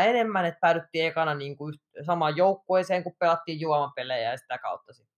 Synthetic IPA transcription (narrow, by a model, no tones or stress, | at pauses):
enemːænet̪̚pæylyt̪ːiːekɑnɑniːŋkuyht̪sɑmɑjjoukːoiseːŋkuppelɑt̪ːiːjjuɑmɑmpelejæjɑsi̥t̪ækɑ̰ut̪ːɑsit̪ː